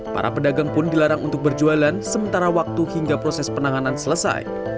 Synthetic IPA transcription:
pa̰ɾʔa̰pədaɡaŋpʊndilaɾaŋʔṵnt̪ʊk̚bərd͡ʒualansəmənt̪aɾawak̚t̪uhiŋɡapɾosɛspənaŋanansələsa̰j

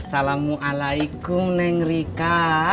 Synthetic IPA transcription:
salamuʔalajikʊmnɛŋrika

